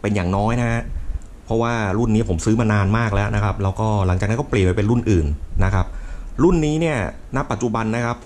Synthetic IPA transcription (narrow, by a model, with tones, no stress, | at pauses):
pe˧njaː˨˩ŋnɔː˦˥jna˦˥ɦa˦˥ | pʰɔ˦˥waː˥˩ɾu˥˩nːiː˦˥˩pʰo˩˦msɯː˦˥ma˧naː˧nmaː˥˩k̚lɛ˦˥nʔa˦˥kʰa˦˥p̚lɛː˦˥wkɔː˥˩la˩˦ŋt͡ɕaː˨˩na˦˥kɔː˥˩plənpa˧pe˧nɾu˥˩nʔɯː˨˩nːa˦˥kʰa˦˥p̚ɾu˥˩nːiː˦˥ni˥˩ɐ | na˦˥pːa˨t̪̚t͡ɕu˨˩ba˧nːa˦˥kʰa˦˥p̚